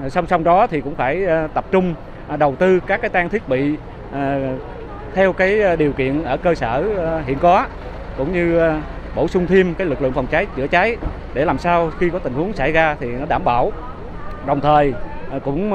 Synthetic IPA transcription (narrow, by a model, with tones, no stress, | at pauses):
sa˧wŋ͡msa˧wŋ͡mɗɔ˨˦t̪ʰi˨˩kʊ̰˧˥ŋ͡mfaː˧˩jt̪ə˨˩p̚t͡ɕʊ˧ŋ͡m | ɗə˨˩wt̪ɨ˧kaː˦˥kːaː˨˦jt̪aː˧ŋt̪ʰi˦˥ək̚ɓḭ˧˨˩ | t̪ʰɛ˧wkaː˨˦jɗi˨˩wkḭ˧˨ənʔəː˧˩kəː˧səː˧˩ɦḭ˧˨ənkɔ˨˦ | kʊ̰˧˥wŋ͡mɲɨ˧ | ɓo˧˩sʊ˧ŋ͡mt̪ʰi˧əmkaː˨˦jlɨ˨˩k̚lɨ̰˧˨əŋfa˨˩wŋ͡mt͡ɕa˨˦jt͡ɕɨ̰˧˥ət͡ɕa˨˦j | ɗe˧˩laː˨˩msaː˧wxi˧kɔ˨˦t̪ï˨˩ŋ̟hu˨˦əŋsa˧˩jzaː˧t̪ʰi˨˩nɔ˨˦ɗaː˧˩mɓaː˧˩w | ɗə˨˩wŋ͡mt̪ʰəː˨˩jkʊ̰˧˥ŋ͡m